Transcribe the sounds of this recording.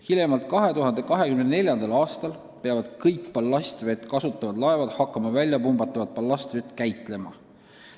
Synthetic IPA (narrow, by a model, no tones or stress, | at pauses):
hilemɑlt̪̚kɑɦe̞t̪uɦɑnd̪̥e̞kɑɦe̞kymnene̞lʲjɑnd̪̥ɑlɑːst̪ɑl | peɑvɑd̪̥kɤjkpɑlːɑst̪ve̞t̪ːˑkɑsut̪ˑːɑvɑd̪lɑevɑd̪̥hɑkˑːɑmɑvælʲjɑpumbɑt̪ːˑɑvɑd̪̚pɑlːɑsʲt̪ve̞t̪ːˑkæjt̪ˑle̞mɑ